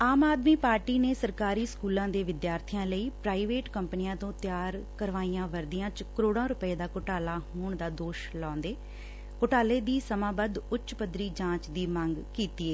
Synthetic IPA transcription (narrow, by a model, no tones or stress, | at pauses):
aːmaːd̪miːpaːɾʈiːneːsəɾkaːɾiːskuːlãːd̪eːʋɪd̪jaːɾt̪ʰɪjãːləiːpɾaːiʋeːʈkəmpnijãːt̪õːt̪ɪjaːɾkəɾʋaːiːãːʋəɾd̪ɪjãːt͡ʃkəɾoːɽãːɾʊpəeːd̪aːkʊʈaːlaːɦoːɳd̪aːd̪oːʃlɔ̃ːnd̪eː | kʊʈaːleːd̪iːsəmãːbəd̪ʊtːt͡ʃpəd̪ɾiːd͡ʒãːt͡ʃd̪iːməŋɡkiːt̪iːeː